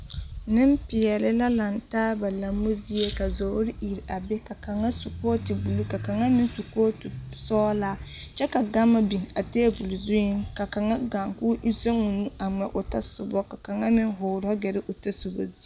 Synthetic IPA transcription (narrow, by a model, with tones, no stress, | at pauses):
nɪ˦m˦pɪ˨ɛ˨lɪ˦la˦la˨n˨taː˦ba˨la˨mːu˦zi˦e˦ka˨zo˨hɾɪ˦ʔi˨ɾa˨bɛ˦ka˨ka˨ŋa˦su˨koː˦ti˨bu˨lu˦ka˨ka˨ŋa˦mɪ˦n˦su˨koː˦tu˨sɔː˦la˦ | t͡ʃɛ˦ka˨ɡa˦mːa˦bi˨ŋa˨teː˦bu˨lzʊ˦jɪ˦ŋka˨ka˨ŋa˦ɡa˨ŋku˦ʔi˦se˦ŋu˨nu˦a˨ŋ͡mɛ˨ʔʊ˨ta˦sʊ˨bɔ˦ka˨ka˨ŋa˦mɪ˦ŋɦʊ˨ɾɔ˦ɡɛ˨ɾɪ˦ʔʊ˨tɛ˦sʊ˨bo̰˨zi˦